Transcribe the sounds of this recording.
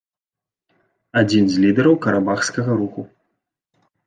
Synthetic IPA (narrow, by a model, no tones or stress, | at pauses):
ad͡zʲinzʲlʲid̪ɛɾɐwkɐɾabaxskɐɣɐɾuku